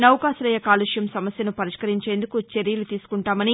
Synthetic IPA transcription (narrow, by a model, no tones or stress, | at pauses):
nɐwkaːsɐlɐjɐkaːluʂjɐmsɐmɐsjɐnupɐɾiʂkɐɾiɲt͡ʃe̞ːnd̪ukut͡ʃeɾijɐlut̪iːsu̥kuɳʈaːmɐni